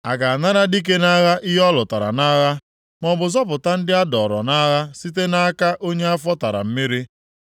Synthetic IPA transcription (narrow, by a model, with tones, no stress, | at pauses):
a˨ɡa˨a˨na˦ɾa˦di˦k̬e˦na˦ɣa˦ʔi˦ɦɔ˦lʊ˨ta˨ɾa̰˨na˦ɣa˦ | mɔ˨bʊ˨zɔ˦p̬ʊ˨ta˦n̩˦dɪ˦a˦dɔ˨ɾɔ̰˨na˦ɣa˦si˦t̬e˦na˦ka˦ʔo˦ɲe˦a˦fɔ˦ta˨ɾa̰˨m̩˦mi˦ɾi˦